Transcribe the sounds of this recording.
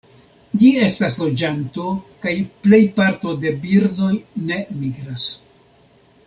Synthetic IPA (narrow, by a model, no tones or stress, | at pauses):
d͡ʒie̞staslo̞d͡ʒanto̞kajple̞jpaɾto̞de̞biɾdo̞jne̞miɡɾas